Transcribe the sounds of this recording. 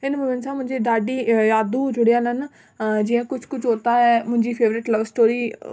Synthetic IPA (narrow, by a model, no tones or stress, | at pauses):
ɪnməmɪnsãːmʊ̃ɲd͡ʒeːɖaːɖiːjaːd̪uːd͡ʒʊɽijãːnən | d͡ʒɪãːkʊt͡ʃʰkʊt͡ʃʰoːt̪aːɦɛːmʊ̃ɲd͡ʒiːpʰeːʋɾɪʈləʋsʈoːɾiː